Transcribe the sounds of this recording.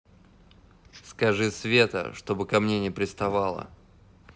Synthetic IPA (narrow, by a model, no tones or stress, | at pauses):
skɐʐɨsvʲe̞t̪ə̰ʂt̪o̞bɨkɐmnʲenʲɪpɾʲɪst̪ɐvalˠə̰